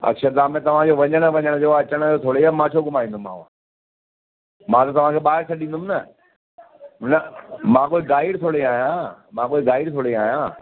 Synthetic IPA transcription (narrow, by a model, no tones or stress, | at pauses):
ɐ̰kʃəd̪aːmẽt̪ɐʋ̤ãd͡ʑoːʋɐɲəɽ̃əʋɐ̃ɲəɽ̃d͡ʑoːɐt͡ɕəɽ̃əd͡ʑoːt̪ʰoːɽeaːmãːt͡ɕʰoːɡʊmaːĩːnd̪uma̰ːʋã̰ | mãːt̪ɐt̪ɐʋ̤ãkʰeːɓaːɦɪɾsʰɐɗĩːnd̪ʊmnɐ | nɐmãːkoːiɡaːɪɽt̪ʰoːɽiaːɦjãːmãːk̬oːiɡaːɪɽt̪ʰoːɽiaːɦjãː